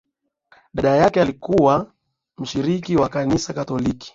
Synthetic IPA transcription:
ɗaɗajakɛalikuwa | m̩ʃiɾikiwakanisakatɔliki̥

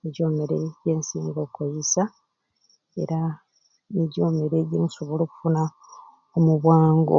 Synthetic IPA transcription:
eɟo̞ːmeɾeɟe̞ːnsiːŋɡo̞kojisa | e̞̰ɾa | niɟo̞ːmeɾe̞ɟeːuso̞βolo̞ːku̥funa | omuβwaːŋɡo̰

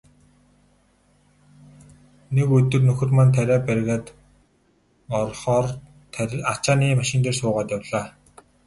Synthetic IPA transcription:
nekɵt̪ɵ̆rnɵxɵ̆rmant̪ʰæɾʲæːpærɣʲaːt̪ | ɔrχɔːr | t̪ʰat͡ɕaːniːmaʃɪ̆nt̪eːrsʊːʁaːt̪jawɮ̥aː

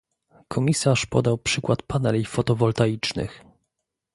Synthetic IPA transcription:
kʰɔmʲisaʂpɔ̰d̪awpʂɘkwat̪panɛlʲifɔt̪ɔvɔlt̪ajit͡ʂnɘ̰x

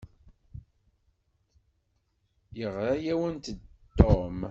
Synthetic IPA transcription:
jəʁɾajæwənt̪əd̪ːom

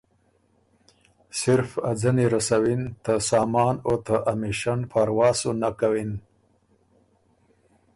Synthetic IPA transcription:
sɪɾfad͡zaniɾasawint̪asɑːmɑːnot̪aʔamiʃanpʰaɾwɑːsunakawin

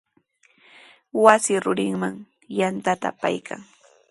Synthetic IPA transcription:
wasɪɾʊɾɪŋmaŋ | jant̪at̪a̰pa̰jkʰa̰ŋ

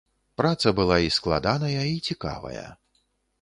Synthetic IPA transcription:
pɾat̪sɐbɨlˠaisklˠa̰d̪anɐjɐit͡sʲika̰vɐ̰jɐ̰

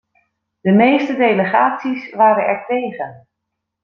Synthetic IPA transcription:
d̥əmejstədejləχaːtsisʋaːɾənɛɹtejχən

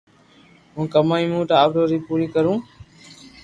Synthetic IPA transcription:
ɦũːkəmaːĩːmũːʈ̪aːpɖoːɾiːpuːɾiːkəɾũː

